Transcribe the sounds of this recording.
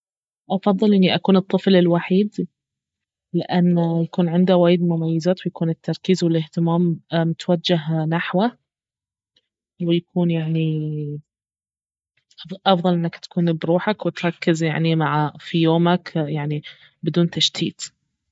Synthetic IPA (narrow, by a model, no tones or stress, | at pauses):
ʔɑfɑðˤːɨlʔɪnːiʔakuːnɨt̪ˤːɨflɪlwaħiːd̪ | lɪʔanːjakuːnʕɪnd̪awaːjɪd̪mʊmajːazaːt̪wɪjakuːnɪt̪ːɑɾˤkiːzwɪlɪht̪ɪmaːmmːɪt̪wad͡ʒːaɦnaħwa | wɪjakuːnjaʕni | ʔʔɑfðˤɑlʔɪnːakt̪ḁkuːnbɾuːħakwɪt̪ɾˤɑkːɪzja̰ʕnimaʕafijoːmakjaʕni | bɪd̪uːnt̪aʃt̪ʰḭːt̪